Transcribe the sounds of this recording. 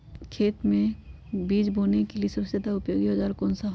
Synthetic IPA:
kʰeːt̪mẽ | biːd͡ʒbʱoːnekeliesɐsed̪aʊpjoːɡibɐd͡ʒaːɾkoːnsaɦ

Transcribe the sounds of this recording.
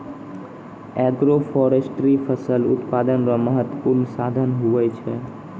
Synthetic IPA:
ɛɡɾofɔɾesʈɾifəsəlʊt̪pad̪ənɾaməɦət̪əpuɾɳsad̪ʱənɦuʋajt͡ʃʰe

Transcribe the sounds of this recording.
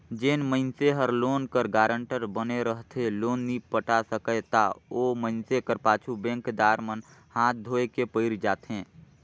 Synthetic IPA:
d͡ʒeːnməɪnseɦəɾloːnkəɾɡaːɾəɳʈəɾbəneɾəɦt̪ʰeloːnːiːpəʈasəkət̪a̰oːməɪnsekəɾpaːt͡ʃʰubɛ̃ŋkd̪aːɾmənhãːt̪̚ʰd̪ʱoːekepəɪɾd͡ʒaːt̪ɛ̃ː

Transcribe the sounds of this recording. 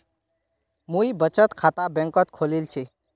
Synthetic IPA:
muibət͡ʃət̪kʰat̪abẽŋkət̪kʰolilt͡ʃʰe

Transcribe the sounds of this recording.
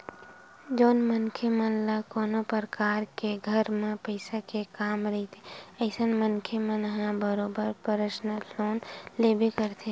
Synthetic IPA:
d͡ʒoːnmənkʰemənlakoːnopəɾəkaːɾkeɡʱəɾmẽpəɪsakekaːmɾɐɦit̪ʰeəɪsənmənkʰemə̃nəɦãbəɾoːbəɾpəɾəʃnəloːnlebʱikəɾt̪ʰe

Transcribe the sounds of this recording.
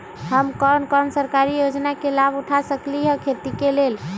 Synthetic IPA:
həmkənkənsəɾkaɾijod͡ʒnakelabuʈʰasəkliɦəkʰet̪ikelel

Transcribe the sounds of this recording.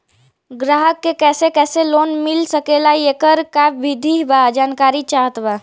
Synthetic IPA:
ɡɾaːɦəkːekɛːsekɛːseloːnmɪlsəkeːlajekəɾkaʋɪd̪ʱiɦbaːd͡ʒaːnkaːɾit͡ʃaːɦət̪baː

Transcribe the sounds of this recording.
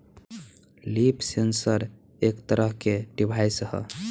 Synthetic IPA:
lipsensəɾ | ekt̪əɾəɦkeɖibʱajsɦə̰

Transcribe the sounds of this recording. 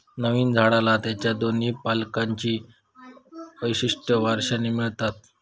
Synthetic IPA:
nəʋiːnd͡zʱaɽalat̪jat͡ɕjad̪oniːpalkaɲt͡ɕiː | ʋəjɕiʂʈəʋaɾʂaniːmiɭt̪at̪̚

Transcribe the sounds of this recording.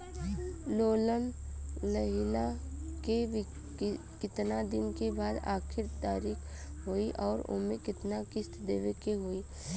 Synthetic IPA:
loːlənləɦɪlake | kɪt̪nad̪ɪnkebaːd̪a̰ːkʰɪɾt̪aːɾiːkʰɦoiʔɔːɾʊ̰mẽkɪt̪nakɪst̪d̪eːʋekeɦoiː

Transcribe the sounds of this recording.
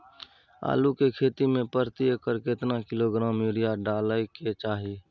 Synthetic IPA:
a̰ːlukekʰeːt̪imẽpəɾt̪iekəɾket̪nakɪloɡɾaːmjuɾijaɖaːləket͡ʃaːɦi

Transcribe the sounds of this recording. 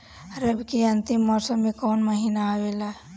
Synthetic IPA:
ɾəbkiɐ̃nt̪ɪmːɔːsəmːekɔːnməɦinaaʋela

